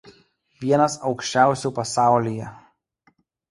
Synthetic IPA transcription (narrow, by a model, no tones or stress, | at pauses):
ʋʲiɛnɐsɒʊkʃʲt͡ʃʲæˑʊsʲuːˑpɐsɑˑʊlʲijɛ